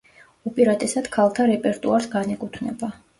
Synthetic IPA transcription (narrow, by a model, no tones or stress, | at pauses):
upʼiɾat̪ʼɛsad̪̥kʰalˠt̪ʰaɾɛpʼɛɾt̪ʼuaɾsɡanɛkʼut̪ʰnɛ̰ba